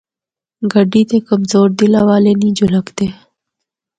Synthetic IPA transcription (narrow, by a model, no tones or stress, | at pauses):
ɡaɖit̪ekamzoːɾd̪ilawɑːlenid͡ʒʊləkd̪e